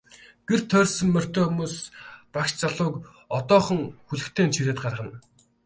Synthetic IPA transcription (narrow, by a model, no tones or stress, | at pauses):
ɡ̥er̥t̪ʰːœːrʲsɵ̆ŋmœr̥t̪eːxumuːspakʃt͡saɮʊːk | ɔt̪ɔːχɞ̆ŋxuɮɘ̆kt̪ʰeːnt͡ɕʰiɾeːt̪ɢarʁə̆n